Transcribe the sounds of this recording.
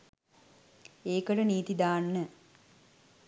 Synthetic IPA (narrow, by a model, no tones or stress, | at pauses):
eːkəʈəniːt̪id̪aːnːə